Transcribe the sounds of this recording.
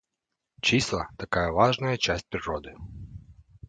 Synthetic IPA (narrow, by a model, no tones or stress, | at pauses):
t͡ʃislˠɐt̪ɐkajɐʋɑʒnɐjɐt͡ʃasʲt̚ʲpɾʲiɾɔd̪ɪ